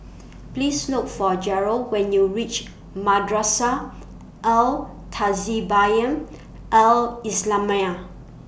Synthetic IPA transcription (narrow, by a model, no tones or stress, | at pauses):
plislukfɔd͡ʒɛɹowɛ̃njuɹit͡ʃ | madɹasa | ʔɛl | tʰazibajə̃n | ʔɛlislãmaa